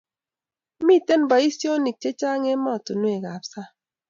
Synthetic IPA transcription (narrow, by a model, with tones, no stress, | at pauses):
mi˦˨te˦nba˨i˦sjo˦ni˨k̚t͡ʃe˦t͡ʃa˦ŋe˦mɔ˦˨tʊ˨nwe˨ɡa˨psa˦